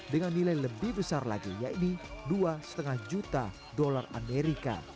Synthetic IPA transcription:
dəŋanːilajləbɪhbəsarla̰ɡija̰iniduasə̥t̪əŋahd͡ʒut̪a | dɔlara̰meɾika̰

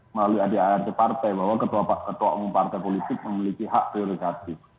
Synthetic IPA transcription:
məlaluadiaɛrt̪epart̪ɛjbaɦwakət̪uapakət̪ua̰ʔmumpart̪ajpolit̪ɪk̚məmilikiɦaʔpɾioɾikat̪ɪf

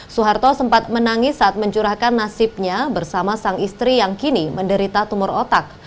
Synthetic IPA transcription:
suɦart̪ɔsəmpat̪̚mənaŋɪsːaːt̪̚məɲt͡ʃuɾahkanːasɪp̚ɲabərsamasaŋist̪ɾijaŋkiniməndəɾit̪at̪umʊrot̪ak̚

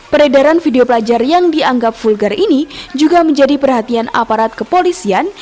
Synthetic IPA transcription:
pəɾedaɾanfideopəlad͡ʒarjaŋdiaŋɡap̚fulɡarinid͡ʒuɡaməɲd͡ʒadipərɦat̪iana̰paɾat̪̚kəpolisian

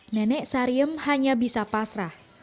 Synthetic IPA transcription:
nɛnɛʔsaɾiəmhaɲabisapasɾah

